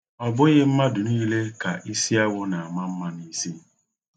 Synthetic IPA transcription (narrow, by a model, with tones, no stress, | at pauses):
ɔ˨bʊ˦ɣɪ˦m̩˦ma˦dʊ˨niː˦le˦ka˨ʔi˦si˦a˦wʊ˦na˨a˨ma˦m̩˦ma˦ni˦si˦